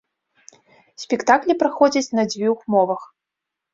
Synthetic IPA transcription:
sʲpʲɛkt̪aklʲipɾaxɔd͡zʲɐt͡sʲnɐd͡zʲvʲuxmɔvɐx

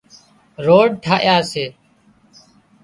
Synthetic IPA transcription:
ɾoːɖ̚ʈʰaːʔɪjaːseː

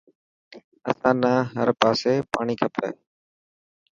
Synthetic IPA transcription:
əsãːnãːɦəɾpaːseːpaːɳ̃iːkʰəpḛː

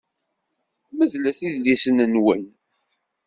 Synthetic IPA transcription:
məðlæθiðlisənənwə̰n

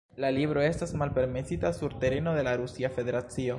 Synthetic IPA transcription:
laliβɾoest̪asmalpe̞ɾmesit̪asuɾt̪e̞ɾenoðe̞laɾusiafe̞ðe̞ɾat͡sio

